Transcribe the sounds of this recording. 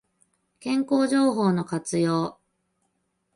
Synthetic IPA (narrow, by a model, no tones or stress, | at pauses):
kẽ̞ŋko̞ːʑo̞ːɦo̞ːno̞kat͡sɨjo̞ː